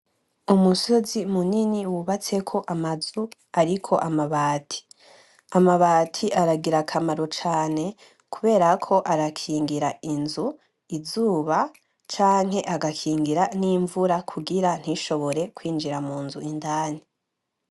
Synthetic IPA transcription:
umuso̞zimuniniwuβat͡se̞kʰo̞ʔamazu | aɾikʰo̞ʔamaβaːtʰi̥ | amaβaːtʰiʔaɾaɡiɾakʰamaɾo̞t͡ʃaːne̞ | kuβe̞ːɾakʰo̞ʔaɾakʰiːŋɡiɾainzu | izuːβa | t͡ʃaːŋ̥ɦe̞ʔaɡakʰiːŋɡiɾaniːɱvuɾakʰuɡiɾan̥hiʃo̞βo̞ɾe̞kwiːnd͡ʒiɾamuːnzuindaːni

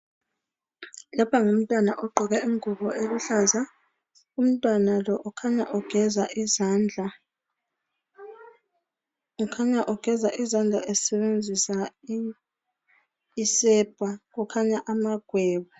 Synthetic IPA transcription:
lɔpʰaŋum̩tʼwanaʔɔɡ͡ǃʱɔɣɛiŋʱuβɔeluɬaza | um̩tʼwanalɔʔɔkʰaɲaʔɔɡ̥ʱɛzaʔiznd͡ɮʱa | ɔkʰaɲaʔɔɡ̥ʱɛzaʔizand͡ɮʱaʔɛsɛβend͡zʱisa | isɛb̥ʱaɣukʰaɲaʔamaɡ̥ʱwɛːβɔ

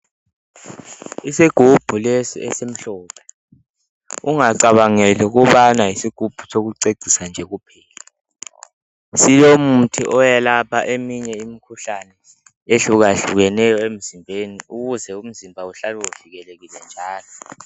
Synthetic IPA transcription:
isiɡ̥ʱub̥ʱulɛsḭɛ̰sem̩ɬɔːpʰɛ̥ | uŋaǀaβaŋɛlɛuk̬uβanajisiɡ̥ʱub̥ʱu̥sok̬uǀeǀʱisand͡ʒʱɛk̬upʰɛːlɛ | silom̩tʰḭʔɔjɛlapʰaʔemiɲɛimikʰuɬanɛ | eɬuk̬aɬṵɣ̬ɛnɛjɔem̩zimbʱeniuk̬uzɛum̩zimbʱauɬalwɛuviɣɛlek̬ilɛnd͡ʒʱaːlɔ

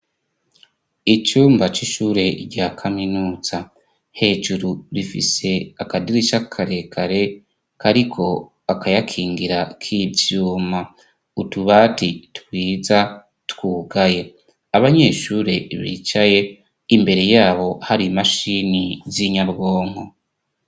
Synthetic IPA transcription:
it͡ʃuːmbat͡ʃiʃuːɾe̞ɾɟaːkʰaminuːz̥a | he̞ːʒuɾuɾifḭse̞akadiɾiʃakʰaɾekʰaɾe̞ | kaɾikʰo̞ | akʰajakʰiːŋɡiɾakʰibjuːma | utuβaːtitwiːza | tkwuːɡaje̞ | aβaɲe̞ːʃuːɾe̞βḭt͡ʃaje̞ | imbe̞ɾe̞jaːβo̞haɾimaʃiːniziɲaɾɡo̞ːŋ̥ho

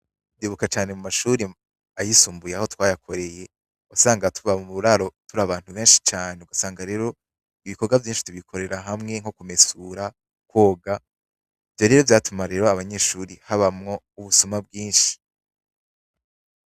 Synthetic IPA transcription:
diβukat͡ʃaːne̞mumaʃuːɾi | ajisuːmbujeahotwaːjakʰo̞ɾe̞je̞ | osaːŋɡatuβamumuβuɾaɾo̞tuɾaβaːn̥huβe̞ːnʃi̥t͡ʃaːne̞uɡ̥asaːŋɡaɾe̞ːɾo̞ | iβiko̞ɡwavjiːnʃi̥tuβikʰo̞ɾe̞ɾaɦamŋe̞ŋho̞kumesuɾa | kwo̞ːɡa | ivjo̞ɾe̞ːɾo̞vjaːtumaɾe̞ɾoaβaɲe̞ːʃuːɾihaβamŋo̞ | uβusumabɡiːnʃi̥

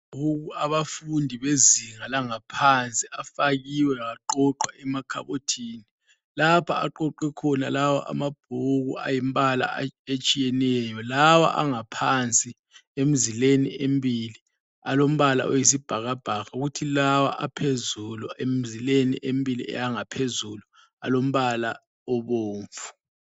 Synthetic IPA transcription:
ɣʱuɣuaβafundʱiβeziŋalaŋapʰant͡sʼiʔafaɣiwɛaɣaǃɔǃwaʔɛmakʰa̰βotʰiːni | lapʰa̰a̰ǃɔǃwɛkʰɔnalawa̰ʔa̰mab̥̚ʱuɣṵa̰jimbala̰et͡ʃʼijɛnɛjɔlawa̰ʔaŋapʰant͡sʼi | em̩zilenḭembʱili | alom̩βala̰ɔjis̬ib̥ʱaɣab̥ʱaɣauɣutʰilawa̰ʔapʰezuluʔem̩zilenḭʔembʱʼilḭʔɛ̰jaŋapʰezulu | a̰lom̩βala | ɔβoːɱfu̥

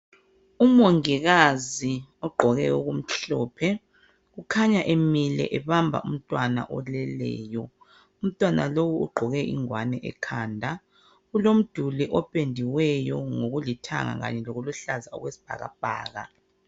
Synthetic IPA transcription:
umoŋiɣaziɔɡ͡ǃʱɔɣɛuɣum̩ɬɔːpʰɛ | ɣukʰaɲaʔemilɛ̰ʔɛβambʱa̰um̩tʼwana̰ʔɔlɛlɛ̰ːjɔ | um̩tʼwanalowuṵɡ͡ǃʱɔɣɛʔḭŋwanɛʔɛ̰kʰaːndʱa | ɣulom̩d̥ʱuliʔɔpʼendʱiwɛjɔŋoɣulitʰa̰ŋa̰ɣa̰ɲɛlɔɣuluɬazaɔ̰ɣwesi̥b̥ʱa̰ɣa̰b̥ʱa̰ːɣa̰

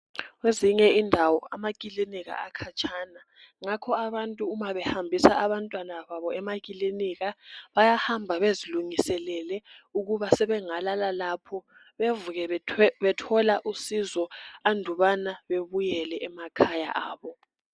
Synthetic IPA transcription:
weziɲɛindʱawɔamakʼiliniɣa̰akʰat͡ʃʰʼaːna | ŋakʰɔaβantʼuːmaβɛhambʱisaʔaβantʼwanaβaβɔɛmakʼiliniɣaβajahambʱaβeziluŋisɛlɛlɛuɣuβasɛβɛŋalalalapʰɔ | βevuɣɛβɛtʰɔlaʔusizɔandʱuβanaβeβujɛlɛʔɛmakʰaja̰ʔaːβɔ

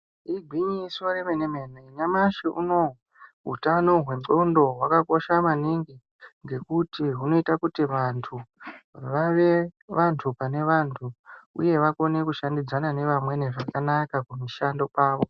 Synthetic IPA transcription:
iɡʱwiɲisoremenemeneɲamaʃiʔṵno̞ | ɦṵtano̞ɦwe̞ondo̞ɦwakako̞ʃamaniŋɡi | ŋɡe̞kutiɦuno̞itakutiʋantʰuʋaʋe̞ʋantʰupane̞ʋantʰuṵje̞ʋako̞ne̞kuʃandid͡zanane̞ʋamwe̞neʐakanakakumiʃando̞paːʋo̞

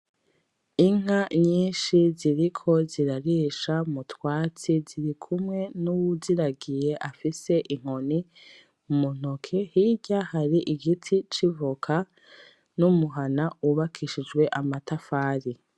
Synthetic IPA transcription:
iŋ̥aɲiːnʃiziɾikʰo̞ziɾaɾiːʃamutwaːt͡siziɾikʰumŋe̞nuwuziɾaɡije̞ʔafise̞ʔiŋ̥oni | umun̥okʰehiɟahaɾiʔiɡitʰit͡ʃivukʰa | numuɦanauβakʰiʃid͡ʒɡwe̞ʔamatafaːɾi

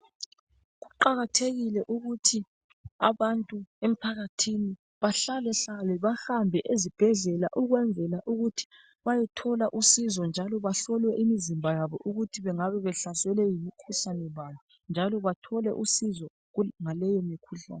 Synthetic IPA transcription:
ɣuǃaɣatʰeɣilɛʔuɣutʰi | aβantʼuem̩pʰaɣatʰini | βaɬalɛɬalɛβahambʱɛʔezib̥ʱɛɮɛla̰ʔuɣwɛnd͡zʱɛlaʔuɣutʰi̥ | βajɛtʰɔlaʔusizɔnd͡ʒʱalɔβaɬɔlwɛʔimizimbʱajaβɔʔuɣutʰiβɛŋaβɛβɛɬasɛlɛjimikʰuɬanɛβajɔ | nd͡ʒʱalɔβatʰɔlɛ̰ʔusizɔ | ŋalɛjemikʰuɬa̰ːnɛ

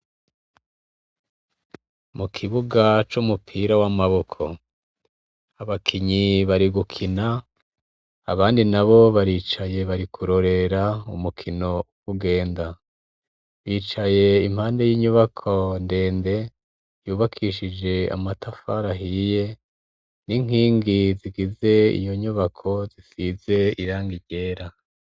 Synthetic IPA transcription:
mukʰiβuɡat͡ʃumupʰiːɾawamaβo̞kʰo̞ | aβakʰiɲiβaɾiɡukʰina | βaːndinaβo̞βaɾiːt͡ʃaje̞βaɾikʰuɾo̞ɾe̞ɾaumukʰino̞ | uɡe̞ːnda | βiːt͡ʃaje̞im̥haːnde̞jiːɲuβakʰo̞nde̞ːnde̞ | juːβakʰiʃid͡ʒe̞a̰matafaɾaɦije̞ | niŋ̥iːŋɡiziɡize̞ḭjo̞ɲuβakʰo̞zisize̞iɾaːŋɡiɟe̞ːɾa

